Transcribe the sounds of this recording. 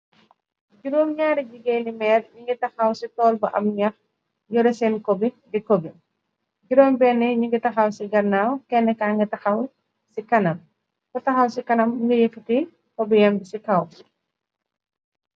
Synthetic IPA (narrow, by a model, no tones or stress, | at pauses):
ɟuɾoːmɲaːɾiɟiɡeːnimɛːrɲuŋɡitɐxɐwsitɔːlbɐʔɐ̰mɲɐx | jɔɾɛsɛnkɔbidɛkɔbi | ɟuɾoːmbɛnːɛɲuŋɡitɐxɐwsiɡɐrnaːwkɛnːɛkaŋɡɐtɐxɐw | sikɐnɐm | kɔtɐxɐwsikɐnɐmːuŋɡɐjefiti | kɔbijɛmbisikɐw